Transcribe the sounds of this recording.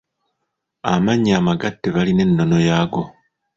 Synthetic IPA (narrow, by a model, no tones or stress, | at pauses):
a̰maɲːaːmaɡatːeβaline̞nːo̞no̞jaːɡo̞